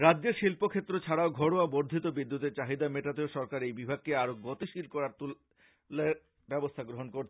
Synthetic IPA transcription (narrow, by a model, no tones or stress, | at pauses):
ɾadːeɾʃilpokʰet̪ːɾot͡ɕʰaɽaoɡʱɔɽoaboɾd̪ʱit̪obid̪ːut̪eɾt͡ɕaɦid̪ameʈat̪eoʃɔɾkaɾejbibʱaɡ̚keaɾoɡɔt̪iʃilkɔɾaɾt̪ul | leɾ | bɛbost̪ʰaɡɾoɦonkoɾt͡ɕʰ